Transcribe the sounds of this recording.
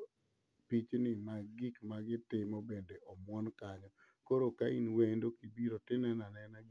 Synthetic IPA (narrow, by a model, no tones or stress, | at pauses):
pit͡ʃnɪmaɡɪkmaɡɪtɪmɔbendeʔɔmwɔnkaɲɔ | koɾokainwendokibiɾotɪnɛnanɛnaɡ